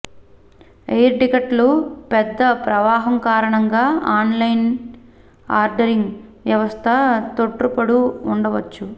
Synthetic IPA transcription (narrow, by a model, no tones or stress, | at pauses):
ejɾʈikɐʈlupɛd̪ːɐpɾɐʋaːɦɐmkaːɾɐɳɐŋɡaːaːnlɐjn | aːɾɖɐɾiŋɡʋjɐʋɐst̪ʰɐt̪oʈrupɐɽuːɳɖɐʋɐt͡ʃːu